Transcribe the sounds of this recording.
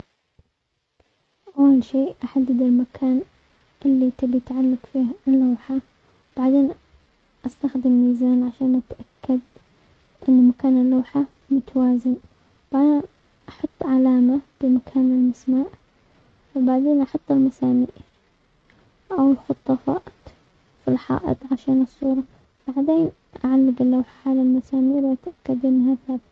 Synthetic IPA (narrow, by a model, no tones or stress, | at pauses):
ʔawːalʃeːʔʔaħad̪ːad̪ɪlmakʰaːn | ʔɪlːit̪ɪbijt̪ʕalːakfiːhɪlːaːħa | b̥aʕd̪eːn | ʔast̪axd̪ɪmːiːzaːnʕaʃaːnʔat̪ʔakːad̪ | ʔɪnːmakaːnɪlːaːħa | mʊt̪awaːzɪn | b̥aʕd̪eːn | ʔɑħɑt̪ˤːʕalaːmab̥ɪmakʰaːnɪlmasmaːʔ | baʕd̪eːnʔɑħʊt̪ˤːɪlmasaːmiːʔɾ | ʔawɪlxʊt̪ˤːɑfɑːt̪ | filħɑ̰ːʔɨ̰t̪ˤʕaʃaːnɨsˤːuːɾˤɑ | b̥aʕd̪eːn | ʔaʕalːɪɡɪlːawħaʕalalmasaːmiːɾwʔat̪ʔakːad̪ʔɪnːɦaθaːbt̪